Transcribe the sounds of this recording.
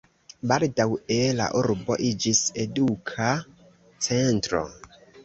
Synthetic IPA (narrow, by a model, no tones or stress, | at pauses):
baldawela̰ʔuɾbo̞̰ʔid͡ʒise̞dukʰa | t͡sentɾo̞̰